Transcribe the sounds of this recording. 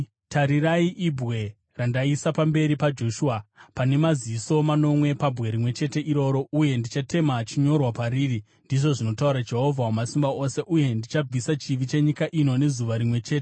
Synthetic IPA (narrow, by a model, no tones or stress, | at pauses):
taɾiraiʔibʱɣe̞ | randaisapambe̞ɾipad͡ʒo̞ʃuapane̞maziiso̞mano̞mwe̞pabʱɣe̞ɾimwe̞t͡ʃe̞te̞ʔiɾo̞ɾo̞uje̞ndit͡ʃate̞mat͡ʃiɲo̞rwapaɾiːri | ndiʐo̞ʐino̞tauɾad͡ʒe̞ɦo̞vʱawumasimbao̞se̞ʔuje̞ndit͡ʃab͡visat͡ʃiʋit͡ʃe̞ɲikaʔino̞ne̞zuʋaɾimwe̞t͡ʃe̞ːte